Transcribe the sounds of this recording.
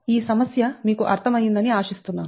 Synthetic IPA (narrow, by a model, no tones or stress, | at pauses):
iːsɐmɐsjɐmiːkuʔɐ̰ɾt̪ʰɐmɐjːind̪ɐniaːʂist̪unːaː